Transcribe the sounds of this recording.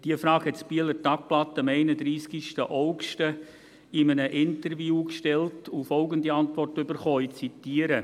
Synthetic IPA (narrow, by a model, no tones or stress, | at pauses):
d̥iəfrɑːkhɛtspiələtɑk̚plɑtːəəmɛɪnəd̪ɾiːskiʃtəʔɔʊkʃtə | ɪmənəʔɪntərvjuːkʃtɛltʊfɔlɡəndiɑntʋɔrtʏbərχoːit͡sitiəɾə